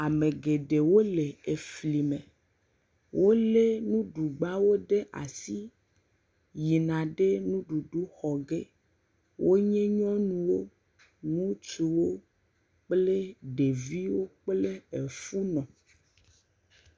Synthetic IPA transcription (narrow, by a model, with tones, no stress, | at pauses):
a˨mẽ˨ɡe˨ɖe˨wo˦le˨e˨fli˨mẽ˨ | wʔo˦le˦nũ˦ɖu˨ɡ͡ba˦wo˦ɖe˦ʔa̰˨si˦ | ji˨nã˨ɖe˦nũ˦ɖu˨ɖu˦xɔ˨ɡe˦ | wʔo˦ɲɛ̃˦ɲɔ̃˦nũ˨wo˦ | nũ˦t͡ʃu˨wo˦ | k͡ple˦ɖe˨vi˦wo˦k͡ple˦e˨fu˦nɔ̃˨